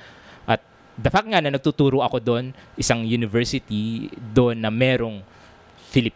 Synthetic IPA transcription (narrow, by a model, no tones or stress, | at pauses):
ʔɐt̪̚ | d̪ɐfak̚t̪̚ŋanɐnɐɡ̚t̪ut̪uːɾoʔɐko̞d̪o̞nʔɪsaŋjunɪvɛɹsɪt̪id̪oʔnːɐmɛːɾo̞ŋ | fɪlɪp